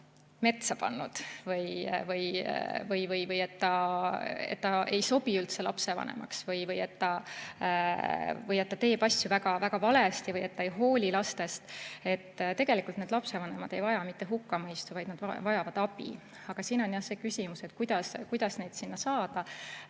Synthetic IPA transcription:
me̞t̪sɑpɑ̰nːud̪̥vɤjvɤjvɤjvɤjvɤje̞t̪ːɑ | e̞̰t̪ːɑejso̞b̥iylt̪selɑ̰pse̞vɑ̰nḛmɑ̰ksvɤjvɤje̞t̪ːɑ | vɤje̞t̪ːɑt̪e̞ːb̥ɑsʲjuvæɡ̥ɑvæɡ̥ɑvɑle̞st̪ivɤje̞t̪ːɑejɦo̞ːlʲilɑst̪e̞st̪e̞t̪ːt̪e̞ɡ̥e̞likˑult̪ned̪lɑpse̞vɑne̞mɑd̪̥e̞jvɑjɑmit̪ːe̞ɦukːɑmɤjst̪uvɑjd̪nɑd̪vɑjɑvɑd̪̥ɑb̥ḭ | ɑɡ̥ɑsiːno̞njɑse̞ːkysʲimuse̞t̪kujd̪̥ɑskujd̪̥ɑsne̞jd̪̥sinːɑsɑːd̪̥ɑ

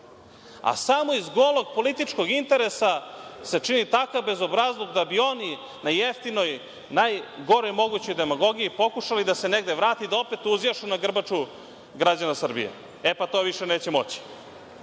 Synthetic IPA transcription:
a̰samoizɡo̞lˠoɡ̚po̞lit̪it͡ʃko̞ɡint̪e̞ɾesase̞t͡ʂinit̪akavbe̞zo̞bɾazlˠoɡd̪abio̞ni | najeft̪ino̞j | najɡo̞ɾojmo̞ɡut͡ɕo̞jd̪e̞maɡo̞ɡiipo̞kuʃalid̪ase̞neɡd̪e̞ʋɾaːt̪id̪aopet̪uzjaʃunaɡr̩bat͡ʂu | ɡɾad͡ʑanasr̩bḭjḛ | epat̪o̞ːʋiʃe̞neːt͡ɕe̞mo̞t͡ɕi̥

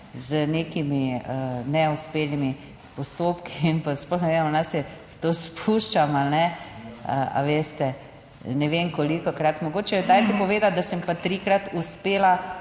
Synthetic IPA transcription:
zənekimiənɛuspeːlnimi | pɔst̪oːpkiinpasplɔxnɛʋeːmɔnasjɛ | t̪oːspʰuːʃt͡ʃamalnɛə̰a̰ʋeːst̪ɛ | nɛʋeːmkɔlikɔkɾat̪mɔɡoːt͡ʃɛd̪ajt̪ipɔʋeːd̪at̪̚d̪asəmpat̪ɾikɾat̪uspeːla

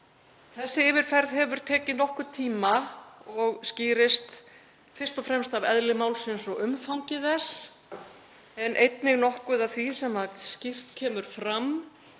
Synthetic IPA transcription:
θɛsːɪɪːvɪɾ̥fɛɾðɦɛvʏɾ̥t̪ʰɛːcɪnnɔhkʏt̪ʰiːmaɔɣsciːɾɪst̪ | fɪrst̪ɔfɾɛmst̪avɛ̰ðlɪmaːwlsɪnsɔʏmfawɲcɪðɛs | ɛnʔejt̪nɪɣnɔhkʏðavθisɛmaðscɪr̥t̪cʰɛːmʏɾ̥fɾam

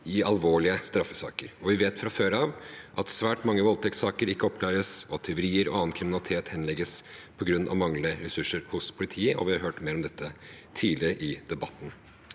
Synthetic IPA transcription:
ɪɑlʋoːɭɪəst̪ɾɑfːəsɑ̰ːkəɾɔʋɪʋeːt̪fɾɑføːɾɑʋʔɑt̪sʋæːʈmɑŋːəʋɔlt̪ʰɛk̪sɑːkəɾɪkːəɔp̚kʰlɑːɾəsɔɑt̪ʰːɛʊɾiːəɾɔ̰ɑːnkʰɾɪmɪnɑlɪt̪ʰeːt̪hɛnlɛɡːəspʰɔɡɾʉnːʔɑ̰ʋmɑŋləəɾɛsʉʂːəɾhʊspʰʊlɪt̪ʰiːəʔɔ̰ʋɪhɑɾɦøːʈmeːɾɔmd̪ɛt̪ʰːət̪ʰiːlɪɾəʔɪd̪ɛbɑt̪ːn

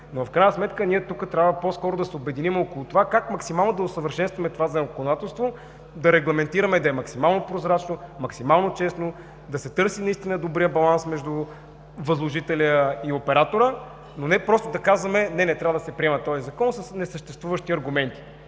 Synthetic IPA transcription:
nofkɾajnəsmɛt̪kəniɛt̪ukət̪ɾʲavəposkɔɾod̪ɐsɛʊbɛd̪inimokoʊlˠʊt̪ovakakmɐksimalˠnod̪ɐʊsəvəɾʃɛnst̪vɐmɛt̪ovazɐkonod̪at̪ɛlˠst̪vo | d̪ɐɾɛɡlˠɐmɛnt̪iɾɐmɛd̪ɐɛmɐksimalˠnopɾozɾat͡ʃnomɐksimalˠnot͡ʃɛsno | d̪ɐsɛt̪ɤɾsinɐist̪inəd̪obɾijəbɐlˠansmɛʒd̪u | vɐzlˠoʒit̪ɛlʲəiopɛɾat̪oɾə | nonɛpɾɔst̪od̪ɐkazvɐmɛnɛnɛt̪ɾʲavəd̪ɐsɛpɾʲiɛmɐt̪ɔzizɐkɔnsəsnɛsəʃt̪ɛst̪vuvəʃt̪iɐɾɡʊmɛnt̪i̥

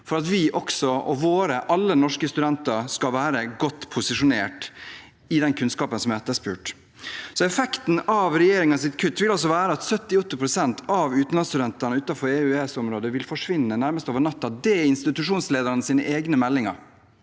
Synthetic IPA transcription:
fɔɾɑt̪ʋɪʔɔksɔɔʋoːɾəʔɑlːənɔʂkəst̪ʉd̪ɛnt̪ɑɾskɑʋæːɾəɡɔt̪ːpʰʊsɪʂʊneːʈ | ɪd̪ɛnkʰʉnskɑːpənsɔmæɾɛt̪ːəʂpʉːʈ | sɔɛfɛkt̪n̩ɑʋɾɛjeːɾɪŋəɑsɪt̪kʰʉt̪ːʋɪlɑls̬ɔʋæːɾəɑt̪sœt̪ːɪɔt̪ːɪpʰɾʊsɛnt̪ʰɑʋʉːt̪n̩lɑnst̪ʉd̪ɛnt̪ənəʉːt̪ɑfɔɾɛʉɛsɔmɾoːd̪əʋɪlfɔʂʋɪnːənæɾməst̪oːʋəɳɑt̪ːɑd̪ɛɪnst̪ɪt̪ʉʂuːnsleːd̪əɾnəsiːnəʔeːɡnəmɛlːɪŋɑ̰ɾ

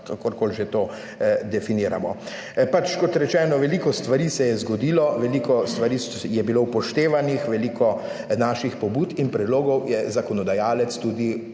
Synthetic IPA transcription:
kakɔɾkolʒet̪oː | d̪ɛfiniːɾa̰mɔ | pat͡ʃkɔt̪ɾɛt͡ʃɛːnɔʋɛlikɔst̪ʋaɾiːsɛjɛzɡɔd̪iːlɔʋɛlikɔst̪ʋaɾiːs | jɛbilowpɔʃt̪eːʋanixʋɛlikɔ | naːʃixpɔbuːt̪inpɾɛd̪loːɡɔwjɛzakɔnɔd̪ajaːlɛt̪st̪uːd̪i

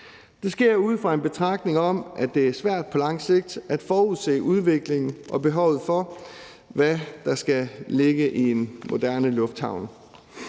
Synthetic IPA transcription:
d̥e̝sɡ̥e̝ɐ̰uð̰ˠfʁɑ̈e̝nb̥e̝t͡sʰʁɑ̈ɡ̥̚d̥ne̝ŋɒ̽m̰ʔæd̥e̝æɐsʋæɐ̰d̥̚pʰɒ̽lɑ̈ŋ̰se̝ɡ̥̚d̥æd̥fɒːuðˠse̝̰ːuð̞ˠʋe̝ɡ̥le̝ŋn̩ʔɒ̽b̥e̝ɦɒʊ̰ð̩ˠfɒ̽ | ʋæd̥ɑ̈sɡ̥æleɡ̥əʔienmo̝d̥æɐnəlɔfd̥hɑ̈ʊn

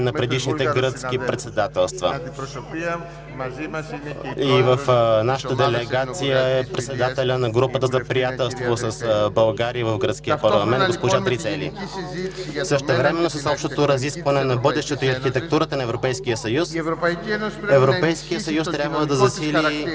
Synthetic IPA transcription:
nɐpɾɛd̪iʃnit̪ɛɡɾət̪sk̟ipɾɛt̪sɛd̪at̪ɛlˠst̪və̰ | ivəfnaʃə̥t̪əd̪ɛlɛɡat̪sijəɛpɾɛt̪sɛd̪at̪ɛlʲənɐɡɾupət̪əzɐpɾijat̪ɛlˠst̪vosɐsbɐlˠɡaɾijəvɐfɡɾət̪skʲijəpɐɾlˠɐmɛnd̪ɡospoʒat̪ɾit̪sɛlḭ | səʃt̪ɛvɾɛmɛnːosɐsɔpʃt̪ot̪oɾɐziskvɐnɛnɐbɤd̪ɛʃt̪ɛt̪oiɐɾxit̪ɛk̚t̪uɾət̪ənɐɛvɾopɛjskijəsɐjus | ɛvɾopɛjsk̟ijəsɐjust̪ɾʲabvəd̪ɐzɐsili

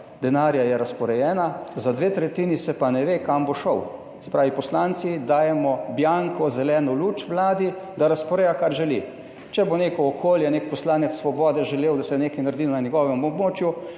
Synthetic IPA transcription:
d̪ɛnaːɾjajɛɾaspɔɾɛjɛːnazad̪ʋet̪ɾɛt̪iːnisɛpanɛʋekamboʃɔw | sɛ̥pɾaːʋipɔslaːnt̪sid̪aːjɛmɔbjaŋkɔzɛlɛːnɔluːt͡ʃʋlaːd̪id̪aɾaspɔɾejakaɾʒɛlḭ | t͡ʃɛboneːkɔːkʰoːljɛnekpɔslaːnɛt̪sːʋɔbɔːd̪ɛʒɛleːwd̪asɛneːkajnaɾd̪iːnanjɛɡɔːʋɛmmɔbmoːt͡ʃju

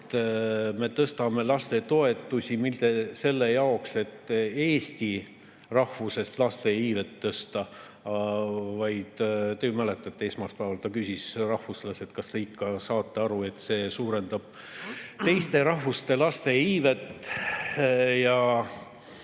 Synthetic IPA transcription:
t̪me̞t̪ɤst̪ɑme̞lɑst̪e̞t̪o̞e̞t̪ːˑusʲimild̪̥e̞se̞lːe̞jɑokse̞t̪ːe̞ːsʲt̪i | rɑhvuse̞st̪lɑst̪e̞iːve̞t̪ːɤst̪ɑ | vɑjd̪̥t̪ejomæle̞t̪ːˑɑt̪ːeesmɑspæːvɑlt̪ɑkysʲisrɑhvuslɑse̞t̪kɑst̪eikːɑsɑːt̪ːˑeɑɾue̞t̪ːse̞ːsuːɾe̞nd̪̥ɑb̥ | t̪e̞jst̪e̞ɾɑhvust̪e̞lɑst̪e̞iːve̞t̪ː | jɑ

